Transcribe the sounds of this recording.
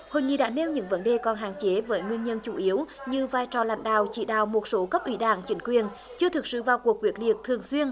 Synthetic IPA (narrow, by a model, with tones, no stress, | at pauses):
ho̰˧˨jŋḭ˧˨ɗa̰ː˧˥ne˧wɲɨ̰˧˥ŋvə˨˦nɗe˨˩kɔ˨˩nɦa̰ː˧˨ŋt͡ɕe˨˦vəː˨˦jŋwi˧ənɲə˧nt͡ɕu˧˨˦ʔi˨˦əwɲɨ˧vaː˧jt͡ɕɔ˨˩la̰˧˦jŋ̟ɗa̰ː˧˨wt͡ɕḭ˧˩ɗa̰ː˧˨wmo˨˩t̚so˨˦kə˦˥p̚ʔi˨˦ɗaː˧˩ŋt͡ɕï˨˦ŋ̟kwi˨˩ən | t͡ɕɨ˧ət̪ʰɨ˨˩k̚sɨ̰˧˨vaː˨˩wku˨˩ək̚wi˨˩ək̚li˨˩ət̚t̪ʰɨ˨˩əŋswi˧ən